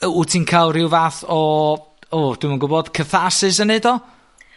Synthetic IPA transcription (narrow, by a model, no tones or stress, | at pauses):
utʰinkʰawrɪwvaːθɔ | od̥wumənɡʊbɔd̥kʰəθasɪsənedɔ